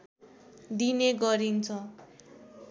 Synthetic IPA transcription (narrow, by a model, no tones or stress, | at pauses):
d̪ineɡʌɾint͡sʰʌ